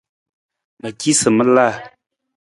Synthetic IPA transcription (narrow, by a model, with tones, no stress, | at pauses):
la˨ki˦sə˨mə˦la˦˨